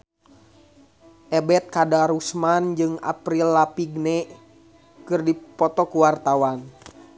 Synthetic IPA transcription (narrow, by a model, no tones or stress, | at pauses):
ʔɛbɛt̪̚kadaɾusmand͡ʒɨŋa̰pɾilːapiɡnɛ | kɨrdipɔt̪ɔkuwart̪awan